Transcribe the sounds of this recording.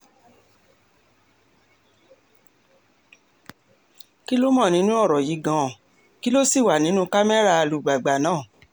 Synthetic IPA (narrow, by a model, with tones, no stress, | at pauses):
ki˦lo˦mɔ̃˦˨nĩ˨˦nũ˦ɔ˦˨ɾɔ˨ji˨˦ɡã˧˨ | ki˦lo˦si˦˨wa˨nĩ˨˦nũ˦ka˦mɛ˦ɾa˧lu˨ɡ͡ba˨ɡ͡ba˨nãː˦˨